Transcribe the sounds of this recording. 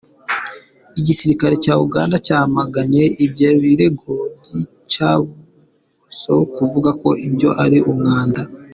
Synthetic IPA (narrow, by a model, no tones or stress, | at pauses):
iɟisiɾikaɾe̞caːuɡa̰ːndacaːhamaɡaɲe̞ibjeːβiɾe̞ɡo̞bɟi | t͡ʃaβu | so̞kuvuɡako̞ʔibjo̞̰ʔaɾiʔumŋaːnda